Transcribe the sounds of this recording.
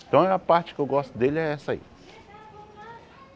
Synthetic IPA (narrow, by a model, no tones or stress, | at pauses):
t̪ɐ̃w̃ɛɐpaɾt͡ʃɪ̥kɪewɡɔst̪ʊd̪elɛɛsɐḭ